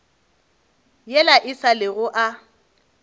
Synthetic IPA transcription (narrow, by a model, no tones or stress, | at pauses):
jɛlaʔɪsalɪɣʊʔa